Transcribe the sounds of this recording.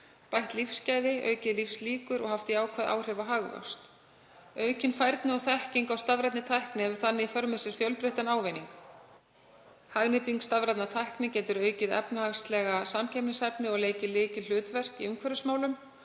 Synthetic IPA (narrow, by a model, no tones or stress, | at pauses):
pajht̪lifscajðɪœ̰ːɥcɪðlifsliːkʏɾɔ̰ɣhaft̪iaːwkʰvɛðʔa̰wr̥hɛvaɦaɣva̰st̪ | œːɥcɪnfajɾt̪nɪɔɣθɛhciŋkawst̪avɾɛjt̪nɪt̪ʰajhknɪhɛvʏɾ̥θanːɪifœɾmɪsɪsfjœlpɾɪht̪anaːwveniŋk | haɣnɪt̪iŋkst̪avɾɛt̪nat̪ʰajhknɪcɛːt̪ʏɾœːɥcɪðɛ̰pnahaɣst̪lɛɣasamcʰɛmnɪsɛpnɪɔɣleːjcɪðlɪːcɪl̥ʏːt̪vɛr̥kiʏmkʰvɛɾʏsmaːwlʏm